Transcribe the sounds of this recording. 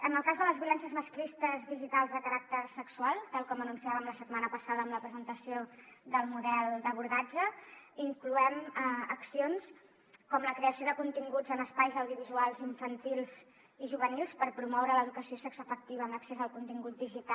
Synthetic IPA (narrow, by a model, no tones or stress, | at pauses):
ənəlˠkazðələzβijulɛnsjəzməsklist̪əzðiʒit̪alˠzðəkəɾak̚t̪əɾsəksualˠt̪alˠkɔmənunsiaβəmləsət̪manəpəsaðəːmləpɾəzənt̪əsioðəlˠmuðɛlˠd̪əβuɾðad͡ʒəiŋkluɛməksions | kɔmləkɾeəsioðəkunt̪iŋɡud͡zənəspajzəwðiuβizualˠziɱfənt̪ilˠz | iʒuβənilˠspəɾpɾumɔwɾələðukəsiosɛksəfək̚t̪iβəːmləksezəlˠkunt̪iŋɡut̪̚d̪iʒit̪a